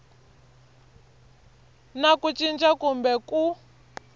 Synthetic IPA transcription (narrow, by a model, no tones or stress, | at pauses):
nakut͡ʃind͡ʒakumbɛku